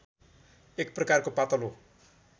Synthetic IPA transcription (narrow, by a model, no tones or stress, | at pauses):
ɪk̚prəkaɾkopat̪ɔlu